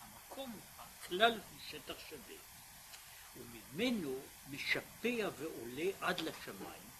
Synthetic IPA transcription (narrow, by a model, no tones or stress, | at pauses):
hamakʰomhaklalmiʃet̪aχʃavḛ | umimeno | meʃapeaveʔoleʔad̪laʃama̰im